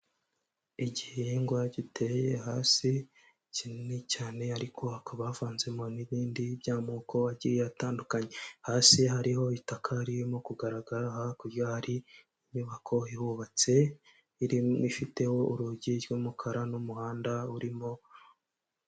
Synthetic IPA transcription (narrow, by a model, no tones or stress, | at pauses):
iɟiheŋɡwaɟitejehaːsi | cinnecaːne̞aɾikʰo̞akaβaːfaːnze̞mo̞niβiːndibjaːmukʰo̞aɟiɾijataːndukaɲe̞haːsiɦaɾiho̞itakʰaɾimokuɡaɾaɡaɾahakuɾjahaɾi | imiβakʰo̞ihuβat͡se̞ | iɾimifite̞ho̞ʔuɾuɟiɾɡoːmukʰaɾanumuhaːndauɾimo̞